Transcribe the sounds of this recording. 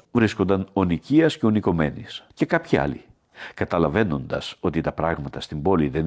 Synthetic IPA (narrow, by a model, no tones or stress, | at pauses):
vɾiskond̪ɐno̞niciɐsce̞oniko̞me̞nisce̞kɐpçiɐ̰li | kɐt̪ɐlɐve̞no̞nd̪ɐ̰so̞t̪it̪ɐpɾɐɣmɐt̪ɐst̪imbo̞liðen